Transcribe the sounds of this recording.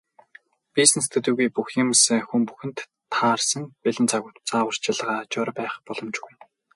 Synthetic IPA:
pisnest̪ʰɵ̆t̪uːɣujpuxjɪ̆msxumpuxɘ̆nt̪ʰː | aːrsə̆npeɮɘ̆nt͡saɣʊːt̪t͡saːwə̆r̥t͡ɕɪɮʁaːt͡ɕɔɾpæːχpɔɮɞ̆mt͡ɕɡuj

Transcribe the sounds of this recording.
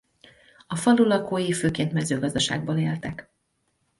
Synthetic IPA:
ɒfɒlulɒkoːjiføːkeːnt̪mɛzøːɡɒzd̪ɒʃa̰ːɡ̚boːleːlt̪ɛk

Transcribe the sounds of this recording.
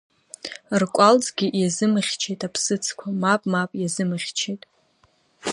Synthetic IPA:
rkʷʼalt͡sʼɡʲijazɨmɨχʲt͡ʃʰe̞jtʼapʰsɨt͡sʰkʷʰamapʼmapʼjazɨmɨχʲt͡ʃʰejtʼ

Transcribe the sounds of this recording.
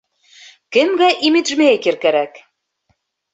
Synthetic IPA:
kɘ̆mɡæʔimit̪ʒmækɘ̆ɾkæɾæk

